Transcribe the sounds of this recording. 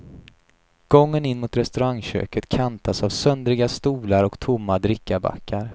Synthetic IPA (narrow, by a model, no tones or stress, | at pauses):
ɡ̥ɔŋːənɪnːmʊt̪ɾɛst̪ɵɾaŋɕø̰ːkət̪kʰant̪ʰasavsœnd̪ɾɪɡast̪uːlaɾɔkt̪ʰʊmːad̪ɾɪkːaba̰kʰːaɾ